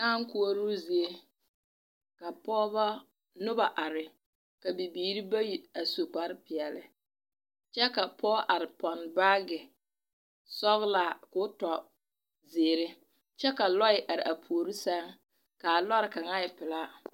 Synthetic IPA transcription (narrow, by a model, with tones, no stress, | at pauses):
a˦ŋ˦ku˦o˦ɾu˦zi˨e˦ | ka˨pɔː˦ba˦ | nʊ˦ba˨ʔa˨ɾɪ˨ | ka˨bi˨biː˨ɾi˦ba˦ji˨a˨so˨k͡pa˦ɾɪ˦pɪ˨ɛ˨lɪ˦ | t͡ʃɛ˦ka˨pʰɔː˦ʔa˨ɾɪ˨pɔ˨nba˦ɡɪ˨ | sɔ˦ɣlaː˦˨kʊ˦tɔ˨ | zeː˨ɾɪ˦ | t͡ʃɛ˦ka˨lɔ˦ɪ˨ʔa˨ɾɪ˨ʔa˨pʰu˨o˨ɾi˦sɛ˦ŋ | ka˨lɔ˦ɾɪ˨ka˨ŋa˦ɪ˨pɪ˨la˦